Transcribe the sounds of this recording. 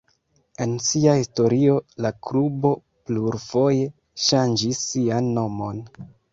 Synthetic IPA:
e̞nsiahisto̞ɾio̞lakɾubo̞ | pluɾfo̞je̞ | ʃand͡ʒisːianːo̞mo̞n

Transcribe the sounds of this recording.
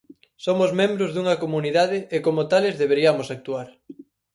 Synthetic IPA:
somʊzmẽmbɾʊzðuŋɐkomuniðaðɪekomʊt̪alezðeβ̞eɾiamosak̚t̪uaɾ

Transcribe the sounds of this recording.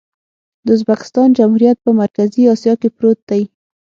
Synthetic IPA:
d̪əʊzbakɪ̥st̪ɑnd͡ʒamhuɾijat̪̚pəmaɾkaziɑsjɑkepɾot̪̚d̪aj

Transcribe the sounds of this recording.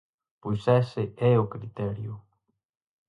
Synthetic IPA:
pojsɛsɪɛʊkɾit̪ɛɾjʊ

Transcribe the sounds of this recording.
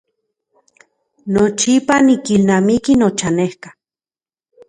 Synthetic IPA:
not͡ʃipanikilnamikinot͡ʃanehkḁ

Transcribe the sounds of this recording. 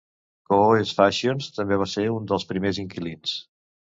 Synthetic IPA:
koesfaʃionst̪əmbeβ̞aseund̪əlˠspɾimeziŋkilins

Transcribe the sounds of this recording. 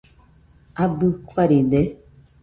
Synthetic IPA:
abɨkʷwaɾindɛ

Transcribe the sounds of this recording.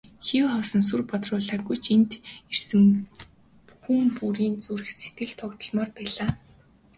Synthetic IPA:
xiwχɔwsɞ̆ns̬urpɔt̪rʊːɮaːrɡujt͡ɕʰent̪ersɘ̆m | pu̥xɘ̆mpuɾiːnt͡suɾɘ̆xset̪̚ɡɘ̆ɮt̪ʰɔkt̪ɞ̆ɮmɔːrpæːɮaː

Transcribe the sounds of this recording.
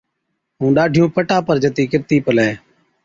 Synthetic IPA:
ɦũːɗaːɖʱɪjõːpəʈaːpəɾd͡ʒət̪iːkɪɾt̪iːpəlɛː

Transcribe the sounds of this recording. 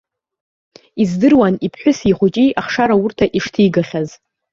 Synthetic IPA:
izdɨrwanipʰħʷᶣʊsiχʷut͡ʃʼiʔaχʂaɾaurtʰaʔiʂtʰijɡaχʲaz

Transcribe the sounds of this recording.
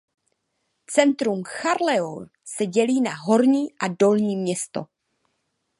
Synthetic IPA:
t͡sɛnt̪ɾumxaɾlɛo | sɛɟɛliːnaɦo̞ɾɲiːʔado̞lɲiːmɲɛst̪o̰

